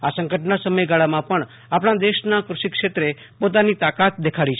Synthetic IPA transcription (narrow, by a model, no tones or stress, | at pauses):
asə̃ŋkəʈnasəməjɡaɭamãpəɳ | apɽɳ̃ad̪eʃnakɾʊʃikʃet̪ɾe | pot̪̬anit̪akat̪̚d̪ekʰaɽit͡ʃʰ